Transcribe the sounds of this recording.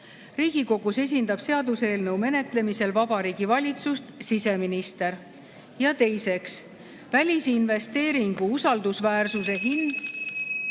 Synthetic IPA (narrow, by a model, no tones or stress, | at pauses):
riːɡ̥iko̞ɡ̥use̞s̬ʲind̪ɑb̥se̞ɑd̪use̞ːlnəwme̞ne̞t̪le̞mise̞lvɑbɑɾiːɡ̥ivɑlʲit̪sust̪sise̞minist̪e̞ɾ | jɑt̪e̞jse̞ks | vælʲisinve̞st̪e̞ːɾiŋɡ̥uusɑld̪usvæːrsuse̞ɦind̪̥